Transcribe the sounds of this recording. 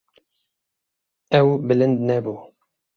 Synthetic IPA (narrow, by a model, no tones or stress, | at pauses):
ɛwbɨlɨnd̪̚nɛbuː